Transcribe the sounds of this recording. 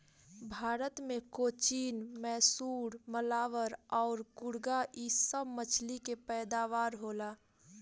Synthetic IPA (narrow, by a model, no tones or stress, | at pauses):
bʱaːɾət̪mẽkoːt͡ʃiːnmɛːsuːɽməlaːʋəɾɔːɾkʊɽɡaʔisəbmət͡ʃʰlikepɛːd̪aːʋaːɾɦoːlaː